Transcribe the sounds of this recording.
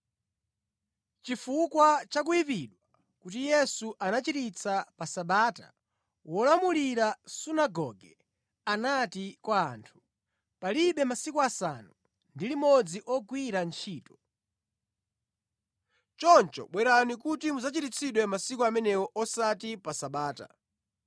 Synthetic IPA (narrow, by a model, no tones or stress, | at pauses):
t͡ʃifukwat͡ʃak̬ujipiɗwa | kutijɛsuʔanat͡ʃitit͡sʰapasaɓaːta̰ | wɔlamuliɾasunaɡɔ̰ɡɛ | anatikwaːntʰu̥ | paliɓɛmasikuasa̰nu | ndilimɔd͡ziʔɔɡwiɾant͡ʃʰiːtɔ̥ | t͡ʃɔnt͡ʃɔ̰ɓwɛɾanikutimuzat͡ʃiɾit͡sʰiɗwɛmasikuamɛnɛwɔʔɔsatipasaɓaːta̰